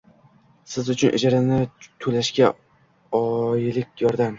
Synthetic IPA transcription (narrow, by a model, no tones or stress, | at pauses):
sɪzʊt͡ʃʰʊnɪ̰d͡ʒaɾanɪt̪ʰʊlaʃɡʲa | ɒjlɪkʲjɒɾd̪am